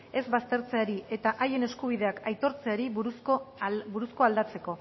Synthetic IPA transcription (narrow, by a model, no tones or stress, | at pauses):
e̞zβast̪e̞ɾt͡seaɾiʔe̞t̪aʔaje̞ne̞skuβiðe̞akʰajt̪o̞ɾt͡seaɾiβuuskobuɾusko̞ald̪at͡se̞ko̞